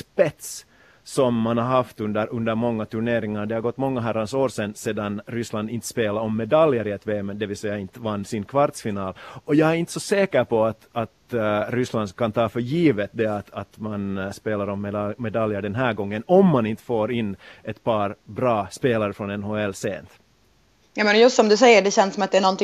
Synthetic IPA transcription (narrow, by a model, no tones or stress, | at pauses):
spɛt̪s | sɔmːanhaɾɦɑft̪ʉnd̪əɾʉnd̪əɾmɔŋːat̪ʰʉɳeːɾɪŋaɾd̪ɛhaɾɡɔt̪ːmɔŋːaɦæɾansoːɾsɛnːseːd̪anɾʏsland̪ɪnt̪ə̥speːlaɾɔmːɛd̪ɑljəɾɪɛt̪ʰʋeːmɛd̪ɛʋɪlsɛjːaɪnt̪əvanːsɪnkʰvɑɾt̪sfɪnɑːlɔjɑːæɾɪnt̪sɔseːkəɾpʰɔat̪ɑt̪ɾʏsland̪kʰant̪ʰɑːfœɾjiːvət̪̚d̪ɛat̪at̪manspeːlaɾɔmːɛmːɛd̪ɑljəɖɛnɦæːɡɔŋːənɔmːanɪnt̪ə̥foːɾɪnːʔɛt̪pʰɑːɾbɾɑːspeːlaɾəfɾɔnɛnɦoːɛlːsḛːnt̪ | jamɛnjɵst̪sɔmd̪ɵs̬ɛjːəɖɛɕɛnsɔmat̪̚d̪ɛæɳɔnt̪ɪ